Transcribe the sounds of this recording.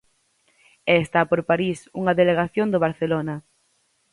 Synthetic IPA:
est̪apoɾpaɾisuŋaðeleɣ̞aθjond̪oβ̞aɾθelona

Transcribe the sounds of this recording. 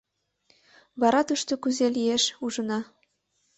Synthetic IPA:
βɑɾɑt̪uʃt̪okyzelijeʃuʒə̆nɑ

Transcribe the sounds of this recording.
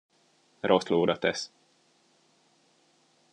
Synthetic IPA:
rosloːɾɒt̪ɛs

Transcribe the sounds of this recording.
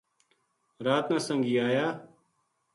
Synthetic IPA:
ɾaːt̪nãːsə̃ŋɡiːaːjaː

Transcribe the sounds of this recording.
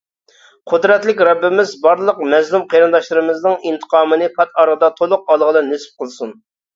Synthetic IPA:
qʰʊd̪ɾɛt̪lɪkʲɾɑbːɪmɪzbɑɾlˠəqmɛzlˠumqʰejɾɨnd̪ɑʃlˠɨɾɨmɪznɨŋint̪ʰə̥qʰɑːmɨnɨpʰɑt̪ʰɑɾʁəd̪ɑt̪ʰolˠʊq̚ɑlˠʁəlɨnysp̚qʰəlˠsun

